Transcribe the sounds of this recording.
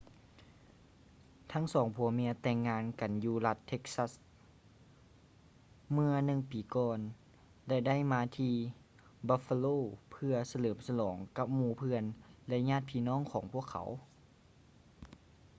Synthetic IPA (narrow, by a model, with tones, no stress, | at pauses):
t̪ʰa˧˥ŋsɔː˩˦ŋpʰu˨˦əmi˧˥ət̪ɛː˧ŋːaː˧˨nka˨˩njuː˧la˧t̪ʰːe˧˥k̚sa˧˥s | mɯ˧ɐnɯ˧ŋpiː˨˩kɔː˧n | lɛ˧da˥˩˨jmaː˧t̪ʰiː˧ | baː˧fa˧loː˧˩pʰɯ˧ɐsa˧lɤː˩˦msa˧lɔː˩˦ŋka˧˥p̚muː˧pʰɯ˧ənlɛ˧ɲaː˧˥˨t̪̚pʰiː˧˨nɔː˥˨ŋkʰɔː˩˦ŋpʰu˥˩əkʰːa̰˨˩˦w